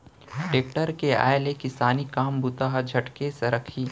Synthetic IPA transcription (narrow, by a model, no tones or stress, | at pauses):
ʈeːk̚ʈəɾkea̰ːjlekɪsaːnikaːmbut̪aːɦd͡ʒʱɐʈkeseɾɐkʰiː